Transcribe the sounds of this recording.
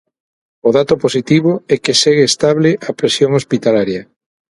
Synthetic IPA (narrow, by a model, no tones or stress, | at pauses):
oðat̪oposit̪iβoɛkeseɣeest̪aβleʔɐpɾesjoŋospit̪alaɾjɐ